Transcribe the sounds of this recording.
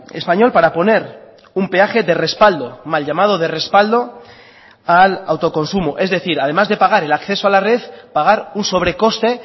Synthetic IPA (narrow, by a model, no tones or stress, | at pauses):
espaɲo̞lpaɾapo̞ne̞ɾ | umpe̞axe̞ðe̞re̞spald̪o̞malʎamað̞o̞ð̞e̞re̞spald̪o̞ | ala̰wt̪o̞ko̞nsumoʔe̞zðe̞θiɾað̞e̞mazðe̞paɣ̞aɾe̞lakθe̞soalare̞ðpaɣaɾunso̞β̞ɾe̞ko̞st̪e̞